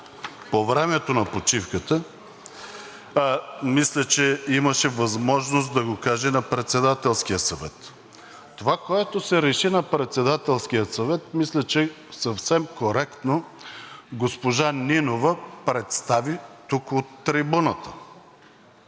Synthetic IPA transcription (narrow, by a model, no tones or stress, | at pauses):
povɾɛmɛt̪onɐpot͡ʃifkət̪ə | mislʲət͡ʃɛiməʃɛvɐzmɔʒnost̪d̪ɐɡokaʒɛnɐpɾɛt̪sɛd̪at̪ɛlˠskijəsɐvɛt̪ | t̪ːovakoɛt̪osɛɾɛʃinɐpɾɛt̪sɛd̪at̪ɛlˠskijət̪sɐvɛt̪mislʲɛt͡ʃɛ | sɐfsɛmkoɾɛkt̪no | ɡospoʒaninovəpɾɛt̪st̪avit̪ukot̪ːɾibunət̪ə̥